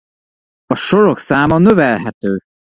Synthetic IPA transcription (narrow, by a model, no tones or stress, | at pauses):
ɒʃo̞ɾo̞ksaːmɒnø̞vɛlɦɛt̪øː